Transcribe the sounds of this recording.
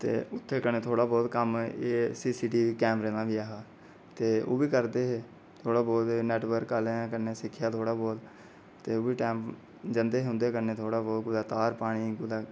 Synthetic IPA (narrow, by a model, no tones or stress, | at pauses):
t̪ḛːʊt̪ʰːeːkəneːt̪ʰoːɽaːbɔːt̪kəmeːsiːsiːʈiːkɛːmɾeːnaːʋiːaːɦaː | t̪eːo̰ːʋiːkəɾd̪eːɦeː | t̪ʰoːɽaːbɔːlnɛːʈʋəɾkːaːlẽkəneːsɪkʰːɪjaːt̪ʰoːɽaːboːl | t̪eːoːʋiːʈɛːmp | d͡ʒənd̪eːɦɦʊ̃nd̪eːkəneːt̪ʰoːɽaːbɔːt̪ɡʊd̪aːt̪aːɾpaːɽ̃iːɡʊd̪aː